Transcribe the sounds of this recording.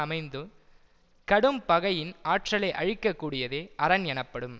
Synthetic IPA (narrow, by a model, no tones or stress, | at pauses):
ɐmɐɪnd̪ɯ | kɐɽɯmpɐɣɐjɪnaːʈrɐlɐɪʔɐɻɪkːɐkːuːɽɪjɐðeːʔɐɾɐnɛnɐpːɐɽɯm